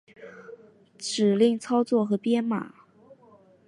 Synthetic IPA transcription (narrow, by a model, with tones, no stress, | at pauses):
ʈ͡ʂɻ̩˨˩li˥˩ŋt͡sʰɑ˥ʊt͡swɔ˥˩xɤ˧˥pjɛ˥nma̰˨˩˦